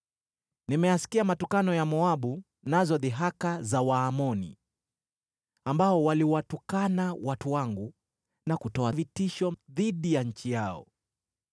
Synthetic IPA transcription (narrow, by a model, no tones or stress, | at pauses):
nimɛjasi̥kiamatukanɔjamɔaɓu | nazɔðiɦakazawaːmɔnḭ | ambaɔwaliwatukanawatuwaŋɡu | nakutɔavitiʃɔðiɗijaɲ̩t͡ʃijaɔ̰